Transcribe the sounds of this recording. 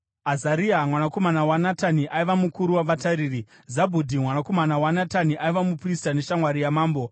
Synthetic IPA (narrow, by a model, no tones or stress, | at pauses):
azaɾiamwanako̞manawanataniʔaiʋamukuɾuwaʋataɾiːri | zabʱudʱimwanako̞manawanataniʔaiʋamupristane̞ʃamwaɾijamaːmbo̞